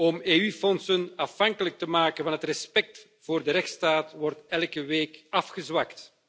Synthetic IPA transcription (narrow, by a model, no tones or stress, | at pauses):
ɔmeːyfɔnsənɑfɑŋkələk̚təmaːkənvɑnɦətrɛspɛk̚t | v̥oːrdəɾɛxtstaːtʋɔrtɛlˠkəʋeːkɑfxəzwɑkt